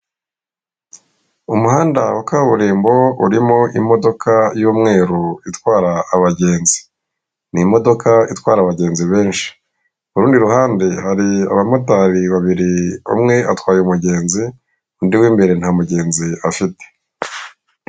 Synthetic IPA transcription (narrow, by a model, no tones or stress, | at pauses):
umuɦaːndawakaβuɾiːmbo̞uɾimo̞ʔimo̞do̞kʰajuːmŋe̞ːɾuitwaːɾaːβaɟe̞ːnzi̥ | nimo̞do̞kʰaitwaːɾaβaɟe̞ːnziβe̞ːnʃi̥ | βuɾuːndiɾuhaːnde̞haɾia̰βamotaɾiβaβiɾio̰mŋe̞ʔatwaːjeumuɟe̞ːnzi | ndiwiːmbe̞ɾe̞n̥hamuɟe̞ːnziafite̥